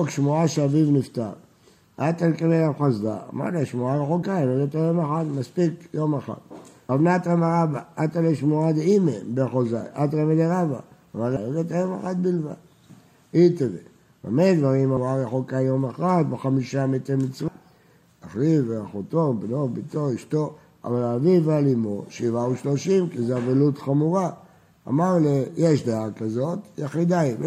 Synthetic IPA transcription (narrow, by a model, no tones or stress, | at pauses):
okʃmuaʃeavivnift̪aʁ | at̪alkevelafχazda̰ma̰daʃmuaʁexokaleɡet̪ajomexat̪maspikjomeχa̰t̪avnat̪ʁemaʁabaat̪aleʃmuad̪eimebeχoza̰jʔat̪ʁemeleʁava̰ː | valaloɡet̪ajomexat̪̚bilva̰d | it̪evḛ | a̰mejd̪vaʁimamaʁjaχokanjomeχʁat̪beχamiʃamet̪emit͡sva | aχʁiveaχot̪obnobitoiʃt̪o̞ | a̰valaːvivealimoʃivauʃlo̞ʃimkizeavelut̪χamuʁa | a̰maʁlejeʃd̪eakazo̞t̪jeχid̪aiv